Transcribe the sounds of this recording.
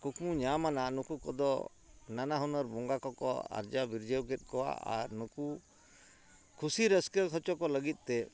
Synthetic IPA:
kukmũɲamananukukɔd̪ɔ | nanaɦunɔɾbɔŋɡakɔkɔ̰a̰ɾd͡ʒabiɾd͡ʒəwkɛt̪̚ˀkɔwa̰ʔa̰ɾnuku | kʰusiɾəskəlkʰɔt͡ʃɔkɔləɡit̪̚ˀt̪ɛ

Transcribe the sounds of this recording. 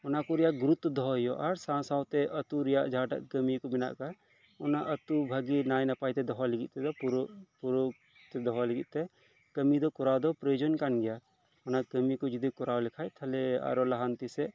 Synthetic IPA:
ɔnakɔɾɛjaʔɡɾut̪ːd̪ɔɦɔɦijɔʔaɾsãsãwt̪ɛʔət̪uɾijaʔd͡ʒaaʈa̰ʔkəmikɔmɛna̰ʔkaɾ | ɔnaʔət̪ubʱaɡinajnapajt̪ɛd̪ɔɦaliɡit̪̚ˀt̪ɛd̪ɔpuɾpuɾɔ | t̪ɛd̪ɔɦɔliɡit̪̚ˀt̪ɛ | kəmid̪ɔkɔɾad̪ɔpɾɔjd͡ʒɔnkanɡɛja | ɔnakəmikɔd͡ʒid̪ikɔɾawlɛkʰajt̪ʰalɛa̰ɾɔlaɦant̪isɛʔ

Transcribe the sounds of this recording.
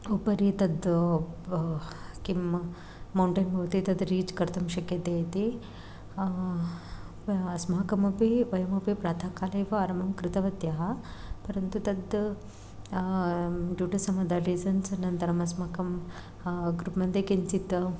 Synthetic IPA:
upɐɾit̪ɐd̪ | kimː | ɐwɳʈɐjnbʱoʋt̪it̪ɐd̪ɾiːd͡ʒkɐɾt̪ɐmʃɐked̪eːt̪i | ɐsmaːkɐmɐpiʋɐjɐmɐpipɾaːt̪ʰaːkaːlɐjʋɐaːɾɐmɐmkɾɪt̪ɐʋɐt̪jɐɦɐpɐɾɐnt̪ut̪ɐd̪ | ɖjuːʈɐsɐmɐd̪ɐɾizɐnsnɐnt̪ɐɾɐmɐsmaːkɐm | ɡɾupmɐnd̪ekinsit̪

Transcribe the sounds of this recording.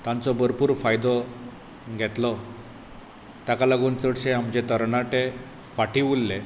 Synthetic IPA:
t̪ãnt͡sɔbəɾpuːɾfajd̪ɔ | ɡʱɛt̪lɔ | t̪jakalaɡuːnt͡səɽɕeamd͡ʑet̪əɾɳaʈe | faʈiʋulːe

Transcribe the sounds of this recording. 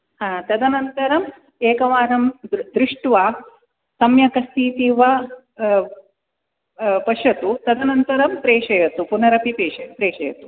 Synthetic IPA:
ɦãːt̪ɐd̪ɐnɐnt̪ɐɾɐm | eːkɐʋaːɾɐmd̪d̪ɾɪʂʈʋaː | sɐmjɐkɐst̪iːt̪iʋɐ | pɐʂɐt̪ut̪ɐd̪ɐnɐnt̪ɐɾɐmpɾeːʂɐjɐt̪upunɐɾɐpipɾeːʂɐjpɾeːʂɐjɐt̪u̥

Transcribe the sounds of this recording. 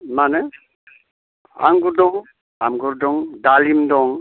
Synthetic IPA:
manɯ | a̰ŋɡuɾdɔŋ | amɡuɾdɔŋdalimdɔŋ

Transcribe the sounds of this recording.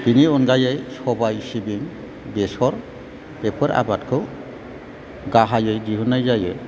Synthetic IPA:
t̪iniɔnɡajejsɔbajsibiŋ | besɔɾ | pepʰɔɾa̰batkʰo | ɡaɦajejd͡ʒiɦunajd͡ʒaje

